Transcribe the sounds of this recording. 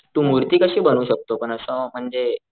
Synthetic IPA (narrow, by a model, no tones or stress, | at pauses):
t̪ũːmuɾt̪iːkəɕiːbənuːɕək̚t̪opəɳəsə̃ːm̤əɳd͡ze